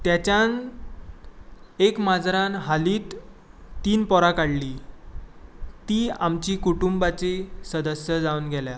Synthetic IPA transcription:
t̪jat͡ɕjan | ekmad͡zɾanɦaliːt̪ː | iːnpɔɾakaɽliː | t̪iːamt͡ɕiːkuʈumbat͡ɕesəd̪əsjəd͡zauːnɡʱɛlja

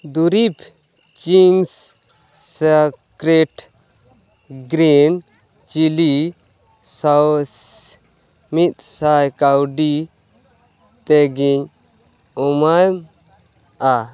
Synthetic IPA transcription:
d̪uɾip | t͡ʃiŋɡs | sakɾɛʈ | ɡɾin | t͡ʃili | saws | mit̪̚sajkawɖi | t̪ɛɡiɲ | ɔmam | a

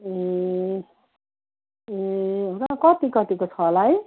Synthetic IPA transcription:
e | eoɾakʌt̪ikʌt̪ikot͡sʰʌlaj

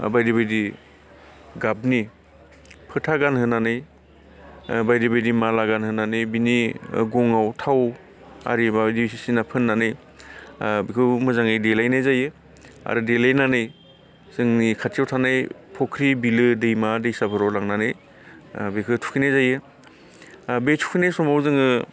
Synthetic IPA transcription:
bajdibajdi | ɡap̚ni | pʰɯtʰaɡanɦɯnanɯj | bajdibajdimalaɡanhɯnanɯjbiniɡɔŋawtʰaw | a̰ɾibabjdisisinapʰɯnːanɯj | bikʰɯmɯzaŋɯjdelajnajzajɯ | a̰ɾidelajnanɯj | z̥ɯŋnikʰatʰiawtʰanɯjpʰɔkʰɾibilɯdɯjmadɯjsabʰɯɾawlaŋnanɯj | bekʰɯtʰu̥kʰinajzajɯ | bejtʰu̥kʰinajsɔmawzɯŋɯ

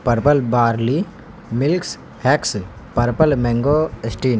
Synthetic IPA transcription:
pɐɾpəlbaːɾli | mɪlks | hɛks | pɐɾpəlmɛ̃ŋɡoesʈiːn

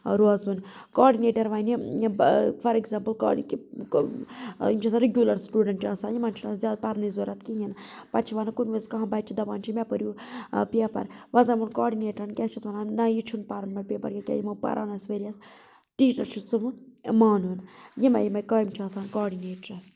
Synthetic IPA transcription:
ɾuɐzunkoːɖineːʈɐɾʋɐni | fɐɾeɡzaːmpəlka̰ːiki | imt͡ʃʰisaɾeɡʲjuːlɐɾsʈuːɖɐɳʈaːsaːnjimaːnt͡ʃʰunaszʲjaːd̪̚pɐɾnizoːɾɐt̪ʰkiɦinpɐɾt͡ʃʰiʋanɐkunʋezkɐɦɐ̃bɐt͡ʃʰid̪ɐʋaːnt͡ʃʰimʲɛpəɾʲjupiapɐ̰ɾʋɐzɐmunkoːɖineːʈɐɾɐnkʲɛt͡ʃʰit̪ʋɐnanɐjit͡ʃʰunpaɾɐnmɐɽʲpʲepɐɾkʲɛkʲɛ̰jimɐpɐ̰ɾʔa̰ːnɐsʋeɾiɐs | ʈiːʈɐlt͡ʃʰut͡summaːnunjimɐ̰jimɐjkaːimt͡ʃʰiɐːsaːnkaːɖineːʈɾɐs

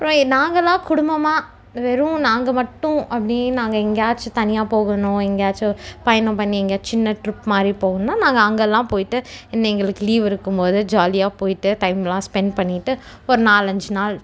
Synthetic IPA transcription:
ɐpɾõːɪnaːŋɡɐlːãːkʊɽʊmbɐmaː | ʋɛɾʊ̃naːŋɡɐmɐʈːʊ̃ɐpːɐɽinaːŋɡɐɛŋɡaːt͡ʃːt̪ɐnɪjaːpoːɣɐnʊ̃ɛŋɡaːt͡ʃpɐjɐnõpɐɳːiɛŋɡaːt͡ʃɪnːɐʈɾɪpːmaːd̪ɾipoːɣɐnnːaːnãːŋɡɐɐŋɡɐlːãːpoːjɪʈːɯɪnːɐɛŋɡɐɭɯkːɯliːʋɪɾɯkːɯmpoːðɯd͡ʒaːlɪjaːpoːjɪʈːɯt̪ɐɪmɛlːãːspɛɳɖpɐɳːɪʈːɯ | ɔɾɯnaːlɐɲd͡ʒɯnaːl

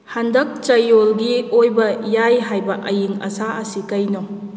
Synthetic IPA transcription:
handɐk̚t͡ʃɐjolɡiojbɐjajɦajbɐʔɐjiŋɐ̰saɐsikɐjno

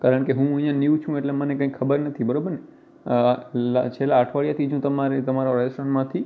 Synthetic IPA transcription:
kaɾəɳ̃keɦũə̃jãniũt͡ʃʰũeʈlemənekə̃ĩkʰːəbəɾnət̪ʰibəɾobəɾne | lat͡ʃʰelaːʈʰʋaɭijat̪ʰid͡ʒũt̪əmaɾet̪əmaɾaɾəsɾənmãt̪ʰi

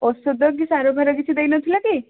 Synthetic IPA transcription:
osod̪ɔkisaɾobʱaɾɔkit͡ʃʰid̪ejnɔt̪ʰilaki

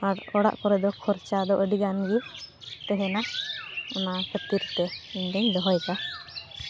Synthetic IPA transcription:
aɾɔɽa̰ʔkɔɾɛd̪ɔkʰɔɾt͡ʃad̪ɔʔəɖiɡanɡit̪ɛɦɛna | ɔmakət̪iɾt̪ɛiɲd̪ɛɲd̪ɔɦɔjka

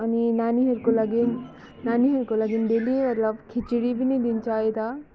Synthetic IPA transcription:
ɐninaniɦeɾkolaɡin | naniɦeɾkolaɡinɖelimɐt̪ləbkʰit͡ʃiɽibʱinid̪int͡ʃaɦet̪a

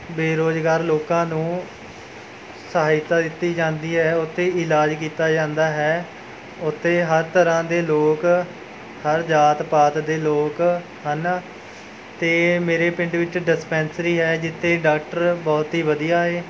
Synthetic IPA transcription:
beːɾoːd͡ʒɡaːɾloːkãːnũː | səɦaːɪt̪ːaːd̪ɪt̪ːiːd͡ʒãːnd̪iːɦɛːʊt̪ʰːeːɪlaːd͡ʒkiːt̪aːd͡ʒãːnd̪aːɦɛː | ʊt̪ʰːeːɦəɾt̪əɾãːd̪eːloːk | həɾd͡ʒaːt̪paːt̪d̪eːloːk | ɦən | t̪eːmeːɾeːpɪ̃ɳɖʋɪt͡ʃɖɪspɛ̃ːnsɾiːɦɛːd͡ʒɪt̪ʰːeːɖaːk̚ʈəɾbɔːt̪ɦiːʋəd̪ijaːɦeː

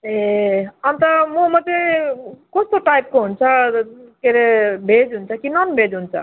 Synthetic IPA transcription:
eʌnt̪ʌmomʌt̪ːekɔst̪oʈaip̚koɦunt͡sʰʌkeɾebʱed͡zɦunt͡sʰʌkinʌnbʱed͡zɦunt͡sʰʌ̰

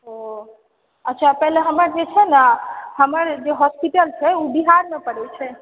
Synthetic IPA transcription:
ɦo | ətːʃʰapɛɦleɦəmaɾd͡ʒet͡ʃʰɛnaɦəmaɾd͡ʒeɦɔspiʈəlt͡ʃʰeũbiɦaɾnəpəɽet͡ʃʰe

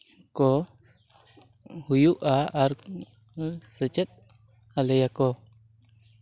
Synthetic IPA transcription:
kɔ | hujuʔaaɾ | sət͡ʃɛt̪̚ | haləjakɔ

